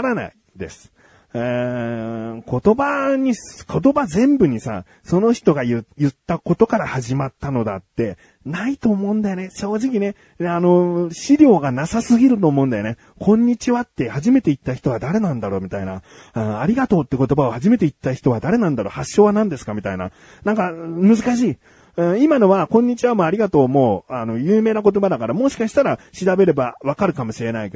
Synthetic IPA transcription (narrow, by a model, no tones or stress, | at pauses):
ɾana̰i | d̪e̞̰sɨ̥ | e | ko̞t̪o̞baɲ̟iskʰo̞t̪o̞bazẽ̞mbɯ̟ɲ̟isa̰ | so̞no̞çi̥t̪o̞ɡajɯjɯ̟t̪ːako̞t̪o̞kaɾahaʑimat̪ːano̞d̪a̰t̪ːe̞ | nait̪o̞ːmõ̞ɯ̃nd̪ajoneɕo̞ːʑikʲine̞ | ano̞ɕiɾʲo̞ːɡanasasɨɡʲiɾɯ̟t̪o̞ːmo̞ɯ̟̃nd̪ajone | kʰõ̞ɲ̟ːit͡ɕiβat̪ːe̞haʑime̞t̪e̞it̪ːaçi̥t̪o̞ad̪aɾe̞nãnd̪aɾo̞ːmʲit̪aina̰ | ɯ̃aɾʲiɡat̪o̞ːt̪ːe̞ko̞t̪o̞bao̞haʑime̞t̪e̞it̪ːaçi̥t̪o̞βad̪aɾe̞nãnd̪aɾo̞ːhaɕːo̞ːβanãnd̪e̞sɨ̥kamʲit̪aina̰ | nãŋkamɯzɨkaɕ̬iː | ɯ̟̃imano̞βakõ̞ɲ̟ːit͡ɕiβamoːaɾʲiɡat̪o̞ːmo̞ːano̞jɯːme̞ːnak̬o̞t̪o̞bad̪akaɾamo̞ɕi̥kaɕi̥t̪aɾaɕiɾabe̞ɾe̞baβakaɾɯ̟kamo̞ɕiɾe̞naik